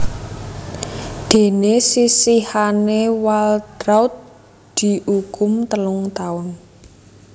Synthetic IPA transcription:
d̪̥e̤nesisihanewalt̪ɾaʊt̪̚ | d̪̥i̤ʔuɡkʊmt̪əlʊŋt̪aʊn

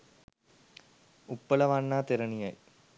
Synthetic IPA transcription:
upːɐlɐʋanːaːt̪eɾɐnijɐj

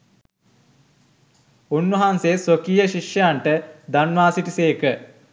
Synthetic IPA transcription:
unʋɐɦansesokijəʃiʂjəjaɳʈəd̪anʋaːsiʈiseːkə

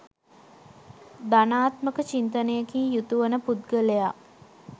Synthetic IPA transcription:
d̪anaːt̪məkət͡ʃint̪ənejəkiːjut̪uʋənəpud̪ɡəleja

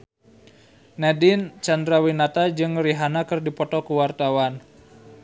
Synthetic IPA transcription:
nɛdint͡ʃand̪ɾawinat̪ad͡ʒɨŋriɦanakɨrdipɔt̪ɔkuwart̪awan

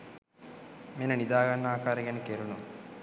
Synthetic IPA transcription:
menənid̪aːɡanːəaːkaːɾəɡænəkeɾunu

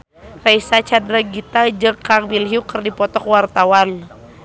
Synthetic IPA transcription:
raisat͡ʃadɾaɡit̪ad͡ʒəkːaŋbilɦiukərdipɔt̪ɔkwart̪awan

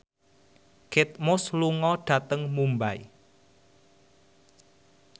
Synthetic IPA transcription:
kɪt̪̚mʊsluŋɔɖ̥ä̤t̪əŋmumbai

